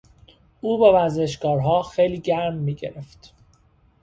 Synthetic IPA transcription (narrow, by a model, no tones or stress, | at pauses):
ʔuːbevæɾze̞ʃ̬ɡɒːɾɦɒːxejliːɟæɾmːiːɟeɾeft̪